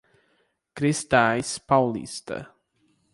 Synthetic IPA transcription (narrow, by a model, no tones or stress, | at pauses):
kɾɪst̪ajspawlḭst̪ə̰